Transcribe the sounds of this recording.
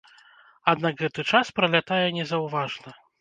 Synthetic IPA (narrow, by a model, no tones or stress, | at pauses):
ad̪naɡɣɛt̪ɨt͡ʂaspɾɐlʲat̪ajɛnʲɛzɐwvaʐnɐ